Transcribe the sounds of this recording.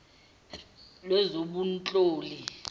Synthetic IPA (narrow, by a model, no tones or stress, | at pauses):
lwɛzoɓunt͡ɬʼoːli